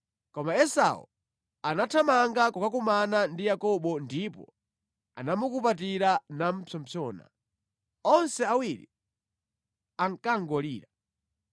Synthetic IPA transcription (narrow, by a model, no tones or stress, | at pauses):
kɔmaɛsa̰ṵ | anatʰamaŋɡakukak̬umanandijakɔɓɔndipɔ̰ | a̰namukupat̬iɾanam̩pʰɔmpʰɔːna̰ | ɔnsɛawiɾḭ | aŋkaŋɡɔlḭːɾa